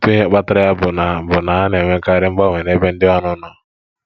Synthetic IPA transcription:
tu˦i˦ɦe˦k͡pa˦ta˦ɾa˦ja˦bʊ˨na˨bʊ˨na˨a˦n˨e˨ŋʷe˦ka˦ɾɪ˦ŋ͡m̩˦ɡ͡ba˦˨ŋʷe˨ne˦be˦n̩˦dɪ˦a˦nʊ˦nɔ˨

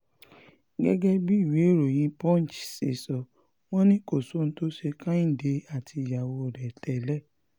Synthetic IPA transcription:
ɡɛ̰˦ɡɛ˦bi˦i˦˨we˨˦˨ɾo˨j̃ĩ˧˦pɔ̃˦n̩˨t͡ʃsḛ˨sɔ˧˨ | w̃ɔ̃˦nĩ˦ko˦˨so˨˦n̩˦to˦ʃe˧kã˦ĩ˦˨de˧˦a˦˨ti˧˨ja˨wo˧ɔ˨ɾɛ˨tʰɛ˨lɛ˦˨

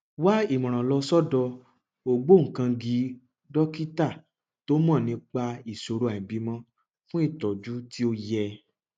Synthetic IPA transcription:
wa˦i˦˨mɔ̃˨ɾ̃ã˨lɔ˧sɔ˦dɔ˧ | o˧ɡ͡bo˦ŋ̩˨kã˧ɡi˧˦ | dɔ˦ki˦ta˦˨ | to˦mɔ̃˦˨nĩ˧k͡pa˧i˨so˨ɾo˧˦a˨ĩ˨bi˨˧˦mɔ̃˧˦ | fũ˦i˦˨tɔ˨d͡ʒu˨˦ti˦o˧jɛ˧

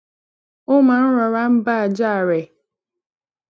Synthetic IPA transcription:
ʊ˦ma˨n̩˦ɾɔ˨ɾa˦m̩˦ba˦˨d͡ʒa˦˨ɾe˨

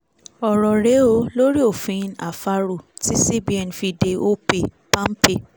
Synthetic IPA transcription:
ɔ˨ɾɔ˨ɾe˨˦o˧˦lo˦ɾi˦o˦˨fĩ˨˦na̰˨fa˧ɾo˦˨ti˦si˦bi˨˦ɛ˨n˨fi˧de˧o˦pe˧˨ | pã˦m̩˦pe˧˨

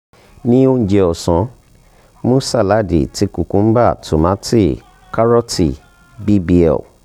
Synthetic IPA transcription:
nĩ˦o˦n̩˨d͡ʒɛ˧ɔ˨sã˨˦ | mũ˦sa˦˨la˨˦˨dḛ˨ti˧˦ku˨kũ˨˦m̩˦ba˦˨tu˨mã˨˦ti˦˨ | ka˦ɾɔ˦tḭ˨ | bi˦bi˦ɛ̰˨

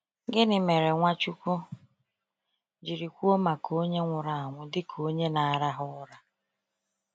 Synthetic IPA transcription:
ɡɪ˦nɪ˨me˨ɾe˨ŋʷa˦t͡ʃu˦kʷo˦ | d͡ʒi˨ɾi˨kʷu˦o˦ma˨kʰo˦ɲe˦ŋʷʊ˨ɾa˨a˨ŋʷʊ˦dɪ˦kʰo˦ɲe˦na˨a˨ɾa˦ɦʊ˦ɾa˦

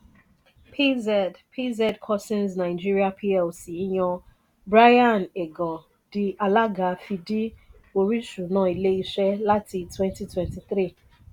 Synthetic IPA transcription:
pʰi˦zɛ˨dpʰi˦zɛ˦dkʰɔ˦sĩ˦nznã˨ɪ˨d͡ʒi˦ɾi˦a˦pʰi˦ɛ˨lsi˨i˦ɲɔ̃˧ | bɾa˦jã˦˨ne˨ɡɔ˨ | d̥i˦ʔa˨la˦ɡa˨fi˨di˦ | o˨ɾi˦ʃu˨nãː˨˦˨i˨le˦i˦ʃɛ˦la˦tʰi˧twɛ̃˦nti˦twɛ̃˨nti˨θɾi˦˨

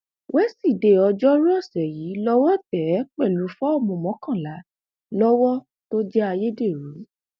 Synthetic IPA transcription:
wɛ˦si˦˨de˨ɔ˧d͡ʒɔ˦ɾu˦ɔ˦˨sɛ˨ji˨˦lɔ˦wɔ˦tɛ˨˦k͡pɛ˦˨lu˨˦fɔ˦ɔ˦˨mɔ̃˧˨mɔ̃˨˦kã˦˨la˨˦ | lɔ˦wɔ˦ | to˦d͡ʒɛ˦a˧je˦de˦˨ɾu˨˦

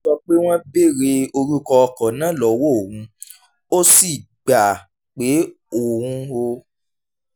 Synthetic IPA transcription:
sɔ˧k͡pe˦w̃ɔ̃˦be˦˨ɾe˧o˧ɾu˦kɔ˧ɔ˧kɔ̃˨nã˦lɔ˨˦wo˦o˨wũ˨˦ | o˦si˦˨ | ɡ͡ba˨ | k͡pe˨˦ | o˨hũ˦o˧

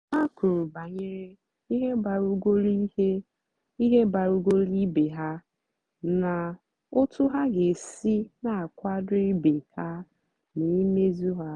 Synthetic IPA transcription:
a˦ku˨ɾu˨ba˨ɲɪ˦ɾɪ˦ | i˦ɦe˦ba˨ɾu˦ɡʷo˦li˦he˦ | i˦ɦe˦ba˨ɾu˦ɡo˦li˦be˨ɦa˦ | na˨ | ʊ˦tʊ˦ɦa˦ɡe˨si˦na˨a˨kʷa˦dʊ˦i˦be˨ha˦ | ni˨˦me˦zu˦ɦa˦

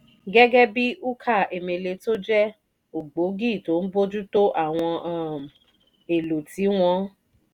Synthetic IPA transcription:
ɡɛ˦ɡɛ˦bi˦ʔu˦kʰa˦˨e˨mẽ˨le˧to˦d͡ʒɛ˦ | u˨ɡ͡bo˨˦ɡi˦˨to˨˦n̩˦bo˦d͡ʒu˦to˦ʔa˦˨w̃ɔ̃˧˦˨m˨ | e˨lo˨ti˨˦w̃ɔ̃˦

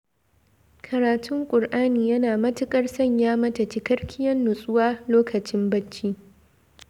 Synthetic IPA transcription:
kʰɐ˨ɾaː˨tʰʊ˦ŋkʷʼʊ˨rʔaː˦niː˨jɐ˦naː˨mɐ˦tɪ˦kʼɐ˦rsɐ˦ɲjaː˦mɐ˦tɐ˨t͡ʃi˦kɐ˦ɽkʲɪ˦jɐ˦nːʊ˨sʼʊ˦waː˦loː˦kʰɐ˨t͡ʃɪ˦mbɐ˦t͡ʃːiː˦

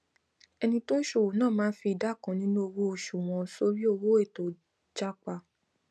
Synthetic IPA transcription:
ɛ˧nĩ˧to˦n̩˦ʃo˨wo˨nãː˦˨mãː˨˦fi˧i˨da˨˦˨kã˨˧nĩ˦nũ˦o˧wo˦o˧˨ʃu˨w̃ɔ̃˧so˦ɾi˦o˧wo˦e˦˨to˨ | d͡ʒa˦k͡pa˧

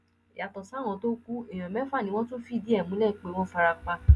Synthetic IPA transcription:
ja˨tɔ˨sa˨˦w̃ɔ̃˨˧to˦ku˦e˨j̃ɔ̃˨mɛ̃˨˦fa˦˨nĩ˧˦wɔ̃˦to˦fi˦˨di˦ɛ˦˨mũ˨˦lɛ˦˨˦k͡pe˨˦w̃ɔ̃˦fa˧ɾa˧k͡pa˧

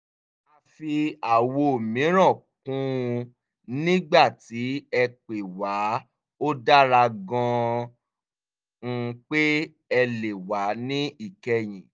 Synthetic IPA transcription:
a˧fi˧a˨wo˧o˨mĩ˨˦ɾ̃ã˦˨kũ˦˧ | nĩ˦ɡ͡ba˦˨ti˨˦ɛ˧k͡pe˨wa˨˦ | o˦da˦ɾa˧ɡɔ̃˧ | k͡pe˦ | ɛ˧le˨wa˨˦nĩ˦i˦˨kɛ˧j̃ĩ˨

